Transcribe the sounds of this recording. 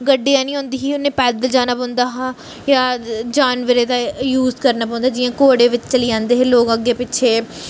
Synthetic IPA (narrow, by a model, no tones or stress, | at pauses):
ɡəɖːijãːnĩːɦõːnd̪iːɦiːʊnẽːpɛːd̪əld͡ʒaːnaːpɔ̃ːnd̪aːɦa | jaːd͡ʒaːnʋəɾeːd̪aːjuːzkəɾnaːpɔ̃ːnd̪aːd͡ʒɪjãːkoːɽeːʋɪt͡ʃt͡ʃəliãːnd̪eːɦẽːloːɡəɡːeːpɪːʃʰeː